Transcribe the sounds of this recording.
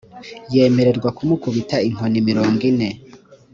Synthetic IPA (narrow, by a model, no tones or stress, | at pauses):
je̞ːme̞ɾe̞ɾɡwakumukuβitaiŋ̥onimiɾo̞ːŋɡine̞